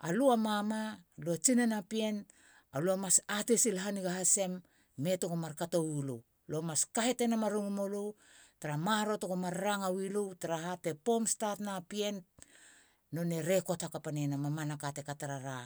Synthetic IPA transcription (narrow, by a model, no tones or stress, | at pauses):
a̰luamamaluat͡ʃinenapie̞n | aluamasatesilɦaniɡaɦase̞mː | e̞tokomaɾkatowilṵ | luamaskahete̞namaɾuŋumolu | taɾamaɾo̞tokomaɾːaŋawiluwtaɾahate̞po̞mstatnapie̞n | o̞ne̞ɾe̞ko̞thakapanenamamanakatekataɾaɾa